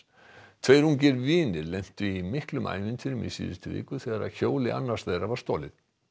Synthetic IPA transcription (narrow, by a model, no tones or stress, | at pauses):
t̪ʰvejɾuŋcɪɾviːnɪɾlɛm̥t̪ʏimɪhklʏmʔa̰ːjvɪnt̪ʰɪnʏmḭsḭːðɪst̪ɪvɪ̰ːkʏθɛːɣaɾa̰ðçoːwlɪʔa̰nːaɾ̥sðejɾavḁst̪oːlɪð̥